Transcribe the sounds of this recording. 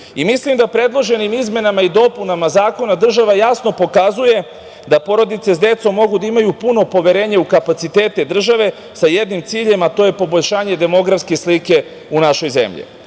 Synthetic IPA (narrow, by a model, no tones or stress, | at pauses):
imislimd̪apɾe̞d̪lˠo̞ʒe̞nimizme̞namaid̪o̞punamazaːko̞nad̪r̩ʒaʋajasno̞po̞kazuje̞ | d̪apo̞ɾo̞d̪it̪se̞sd̪e̞t̪so̞mːo̞ɡud̪aimajupuno̞po̞ʋe̞ɾe̞ːɲeukapat̪sit̪e̞ːt̪e̞d̪r̩ʒaʋe̞ | sajed̪nimt̪siːʎe̞mat̪o̞je̞po̞bo̞ʎʲʃaːɲe̞d̪e̞mo̞ɡɾafske̞slike̞ | unaʃo̞jze̞̰mʎḭ